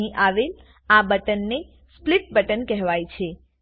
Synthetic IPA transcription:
ĩʔaʋel | abəʈənːe | spliʈ̚bəʈənkɛɦʋajt͡ʃʰe

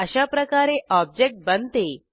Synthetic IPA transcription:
əɕapɾəkaɾeɔb̚d͡ʑek̚ʈ̚bənt̪e

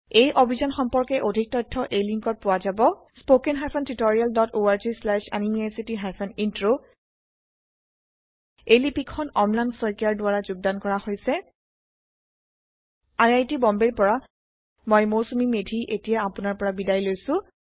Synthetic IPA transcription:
ejʔobʱizɔnxɔmpɔɹkɛʔodʱik̚tɔjtʰːɔʔejliŋkɔt̚pʊwazabɔ | spokɛnɦajpʰɔntitoɹialdɔtoaɹzislɛʃa̰nimasitiɦajpʰɔnintɹo | ejlipikʰːɔnɔmlansɔjkaɹdʊaɹazʊɡ̚dankɔɹahojsɛ | ajajtibɔmbeɹpɔɹa | mɔjmoɹsumimedʱiʔetijaːpʊnaɹpɔɹabidajlojsʊ̃

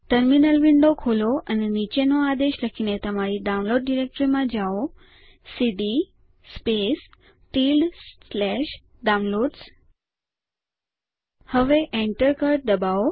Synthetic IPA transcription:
ʈəɾminəlʋiɳɖokʰoloənenit͡ɕenoad̪eʃləkʰinet̪əmaɾiɖawnloɖɖiɾek̚ʈɾimãd͡ʒao | siɖi | spes | tilɖslɛʃ | ɖãw̃nloɖs | həʋeʔeɳʈəɾkəɾ̚d̪əbao

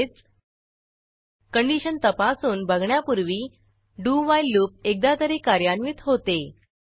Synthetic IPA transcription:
t͡s | kəɳɖiɕənt̪əpasuːnbʱəɡɳjapuɾʋiː | ɖuʋajlːuːp̚ek̚d̪at̪əɾekaɾjanʋiːt̪ɦot̪e

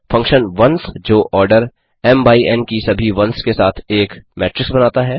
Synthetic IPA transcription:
fɐ̃ŋkʃənʋɐ̃nsd͡ʒoːʔɔːɾɖəɾ | ɛːmbaːiɛːnkisɐbʱiʋɐ̃nskesaːt̪ʰeːkmɛːʈɾɪksbɐnaːt̪aɦɛː

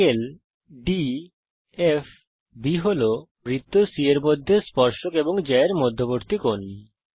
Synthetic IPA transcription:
el | ɖi | ef | biɦolo | mɾit̪ːosieɾmod̪ʱːespɔɾʃokeboŋd͡ʑeeɾmod̪ʱːoboɾt̪ikoni

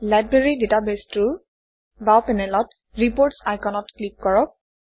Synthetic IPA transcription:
lajbɹeɹiditabestuɹ | bapɛnɛlɔt | ɹipoɹtsajkɔnɔtklip̚kɔɹɔk̚

